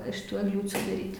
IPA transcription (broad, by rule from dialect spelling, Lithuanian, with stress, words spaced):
ɪʃ ˈtuː ɛɡˈlʲuːt͡sʲuː dɐˈrʲiːtʲ